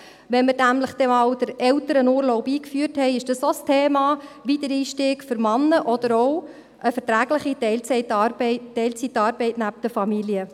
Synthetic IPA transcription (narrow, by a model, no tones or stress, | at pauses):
ʋɛnməɾdæmləχd̥ɛmɑwd̥əɾɛwtəɾənuːɾlɔwbiːkfyəɾthɛɪɪʃd̥ɑsostʰeːmɑːʋitəɾiːʃtɪːɡ̥fʏɾmɑnːəʔɔd̥̪əɾɔw | ʔəfəɾtɾæːɡləχiɛɪlt͡sɛtɑbtːɛlt͡sitːɑːɾbɛɪtnæp̚d̥əfɑmiliə